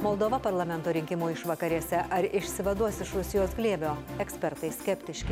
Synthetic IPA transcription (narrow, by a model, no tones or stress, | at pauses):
moːlˠd̪oːʋɐpɐɾlˠɐmʲɛnt̪oːɾʲɪŋʲkʲɪmuːɪʃʋɐkɐɾʲiɛsʲɛʔɐɾɪʃʲsʲɪʋɐd̪uɔsʲɪʃɾʊsʲɪjoːsɡlʲeːbʲoːɛksʲpʲɛɾt̪ɐɪsʲkʲɛpʲt̪ʲɪʃʲkʲɪ